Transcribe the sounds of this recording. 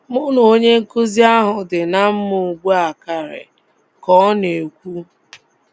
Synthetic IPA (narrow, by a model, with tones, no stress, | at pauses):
mʊ˦no˨o˦ɲe˦ŋ̩˦ku˦zi˦a˦ɦʊ˨dɪ˨na˦m̩˦mʊ˨ɡ͡bʷu˦a˨ka˨ɾɪ̰˨ | kɔ˦ne˨kʷu˦